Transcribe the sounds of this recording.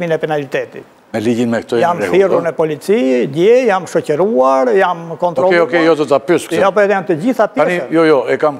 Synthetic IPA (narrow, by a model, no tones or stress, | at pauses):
minɛpɛnalit̪ɛt̪ḭt̪ | mɛlid͡ʒinmɛkt̪ɔjamθiruɾnɛpɔlit͡sidɛjamʃɔcəɾuaɾjamkɔnt̪ɾɔɔɛɔkɛjɔd̪ɔt̪apyskjɔpɔɛt̪ɛjamt̪əd͡ʑiθapanijɔjɔɛkam